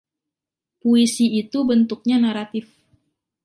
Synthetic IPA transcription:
poisiːt̪ubənt̪uk̚ɲanaɾat̪ɪf

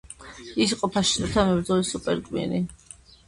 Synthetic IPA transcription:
isiqʼɔpʰaʃi̥t̪ʼɔt̪ʰamɛbɾd̪zɔlisupʼɛɾkʼmḭɾi

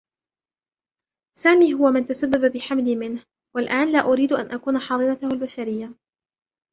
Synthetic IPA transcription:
saːmiːɦʊwamant̪asabːababɪħamliːmɪnh | walʔaːnlaːʔʊɾiːd̪ʔa̰nʔakuːnaħɑːðˤɨnat̪ʊhʊlbaʃaɾɪjːa

